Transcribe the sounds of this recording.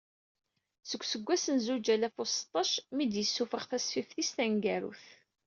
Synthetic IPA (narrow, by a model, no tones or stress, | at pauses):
səɡʷːsəɡʷːæsənzud͡ʒælæfost̪ˤːɑʃmid̪jəsːufəʁθæsfifθist̪æŋɡæɾṵθ